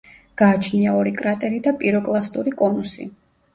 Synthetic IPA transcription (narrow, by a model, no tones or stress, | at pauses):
ɡ̥aːt͡ʃʰniaɔɾikʼɾat̪ʼɛɾid̪apʼiɾɔkʼlˠast̪ʼuɾikʼɔnusḭ